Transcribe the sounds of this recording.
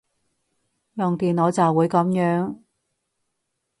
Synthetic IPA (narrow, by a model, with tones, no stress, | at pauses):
jɔ˨ŋt̪iː˨noː˨˧wt͡sɐ˨wuː˨˥jkɐ˨˥mjœː˨˧˥ŋ